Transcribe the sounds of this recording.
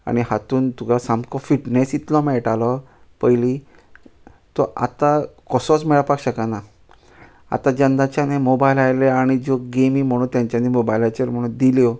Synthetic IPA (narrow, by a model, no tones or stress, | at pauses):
a̰ɽ̃ihat̪uːnt̪uɡasãmkɔfiʈnesit̪lɔmɛʈalɔ | pəjli | t̪ɔʔa̰t̪akɔsɔt͡smɛɭapakɕəkana | a̰t̪ãd͡ʑənd̪at͡ɕanemobajlajleaɽ̃id͡zɔɡemim̤əɽ̃uːnt̪jãɲt͡ɕanimobajlajt͡ɕəɾm̤əɽ̃uːnd̪iljɔ